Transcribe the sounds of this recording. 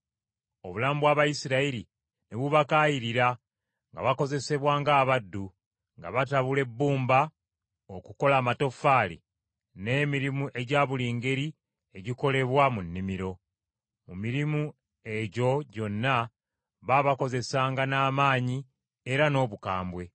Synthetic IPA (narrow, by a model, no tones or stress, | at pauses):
o̞βulaːmbwaβajisiɾaiɾi | ne̞βuβakaːjiɾiɾa | ŋɡa̰βako̞ze̞se̞βwaːŋɡaːβadːu | ŋɡa̰βataβule̞bːuːmba | okuko̞laːmato̞faːlḭ | ne̞ːmiɾimuʔe̞ɟaːβuliːŋɡe̞ɾi | e̞ɟiko̞le̞βwamunːimiɾo̞ | mumiɾimu | e̞ɟo̞ɟo̞nːa | βaβako̞ze̞saːŋɡanaːmaːɲi | e̞ɾano̞ːβukaːmbwe̞